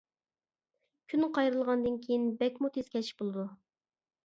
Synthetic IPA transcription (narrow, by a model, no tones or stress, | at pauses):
kʲʰynqʰɑjɾɨlˠʁɑnd̪ɨnkʲʰejinbɛkʲmut̪ʰez̥kʲʰɛi̥bolˠɨd̪u